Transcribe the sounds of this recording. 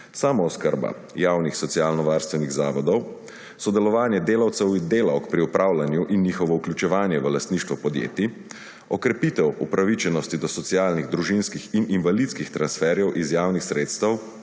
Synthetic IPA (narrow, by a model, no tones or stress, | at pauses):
saːmɔɔskəɾba̰ | jaːwnixsɔt̪sijalnɔʋaːɾst̪ʋɛniɣzaːʋɔd̪ɔw | sɔd̪ɛlɔʋaːnjɛd̪eːlawt̪sɛwind̪eːlawkpɾiupɾʔaːwlanjuʔinːjiːxɔʋɔuklʲjut͡ʃɛʋaːnjɛʋəlast̪niːʃt̪ʋɔpɔd̪jḛːt̪i | ɔkɾɛpiːt̪ɛwupɾaʋit͡ʃɛnɔst̪id̪ɔsɔt̪sijaːlniɣd̪ɾuʒinskixininʋalit̪skixt̪ɾansfɛːɾjɛwʔizjaːwnixsɾeːt̪st̪ɐw